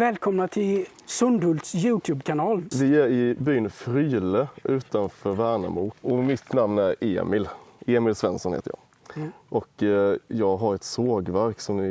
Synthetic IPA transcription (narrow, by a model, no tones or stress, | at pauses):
vɛːlkʰɔmnat̪ʰɪl | sɵnɖ̪ɵlsjʉːt̪ʰjʉːbkʰanɑːlvɪæɾɪbyːnfɾyːləʔʉ̟ːt̪anfœːɾvæːɳa̰muːʔɔmɪt̪namnæɾḛːmɪleːmɪlsvɛ̰nsɔnhḛːt̪ə̰jɑ̰ːɡ | ʔɔkjɑːɡɦaɾɛt̪soːɡvæɾksɔmnɪ